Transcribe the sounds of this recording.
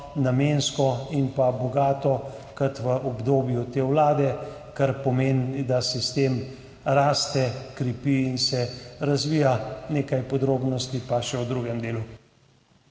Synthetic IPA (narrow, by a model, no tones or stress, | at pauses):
nameːnskɔinpabɔɡaːt̪ɔkɐt̪ʋəʔɔbd̪oːbjut̪eːwlaːd̪ɛ | kaɾpɔmeːnd̪asɛst̪eːm | ɾaːst̪ɛkɾɛpiinsɛɾazʋiːjaneːkajpɔd̪ɾoːbnɔst̪ipaʃɛwd̪ɾuːɡɛmd̪eːlu